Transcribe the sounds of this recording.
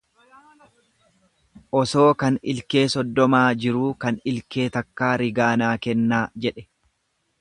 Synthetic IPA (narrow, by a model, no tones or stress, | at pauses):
ʔɔso̞ːkɐnɪlke̞ːsɔd̪ːɔmaːd͡ʒɪɾuːkɐnɪlke̞ːt̪ɐkːaːɾɪɡaːnaːkɛnːaːd͡ʒɛᶑɛ̥